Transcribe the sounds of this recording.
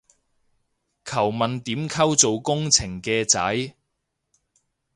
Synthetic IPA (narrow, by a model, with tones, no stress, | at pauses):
kʰɐ˨˩wmɐ˨nt̪iː˨˥mkʰɐ˥wt͡so˨wkʊ˥ŋt͡sʰɪ˨˩ŋkɛː˧t͡sɐ̰˨˥j